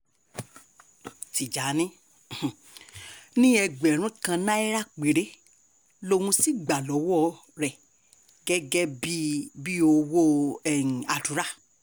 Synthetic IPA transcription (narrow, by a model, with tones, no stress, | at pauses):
ti˨d͡ʒa˨˦nĩ˦˨ | nĩ˦ɛ˧ɡ͡bɛ˨ɾ̃ũ˨˦kã˧nã˦ɛ˦ɾa˦˨k͡pe˨ɾe˨˦ | lo˧wũ˧si˦ɡ͡ba˨lɔ˨˦wɔ˦˨˦ | ɾɛ˨ | ɡɛ˦ɡɛ˦bi˦bi˦o˧wo˦ɛ˦˨n˨a˨du˨˦ɾa˦˨